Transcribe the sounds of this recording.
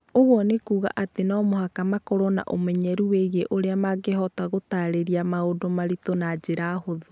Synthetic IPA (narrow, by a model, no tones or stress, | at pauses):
oɣwɔnekuːɣa̰ʔatenaːmohakamakɔɾɔna̰ʔo̰mɛɲɛɾuweɣeʔoɾeamaɡeɦɔtaɣotaɾeɾiamaodomaɾitonad͡ʒeɾahoðo